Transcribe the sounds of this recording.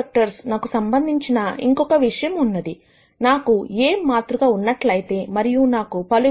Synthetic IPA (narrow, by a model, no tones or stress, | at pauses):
ɐk̚ʈɐɾsnaːkusɐmbɐnd̪ʱiɲt͡ʃinɐḭŋkɔkɐʋiʂɐjɐmunːɐd̪i | naːkueːmːaːt̪ɾuɡaːunːɐʈlɐjit̪e̞ːmɐɾijunaːkupɐlu